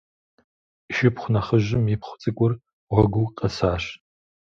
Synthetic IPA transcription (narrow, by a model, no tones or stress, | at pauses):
ʃɪpχʷʊnɐχəʒɪmipχʷʊ̥t͡sʼɨkʷʼʊr | ʁʷɔɡʷʊwqʼɐsaːʂ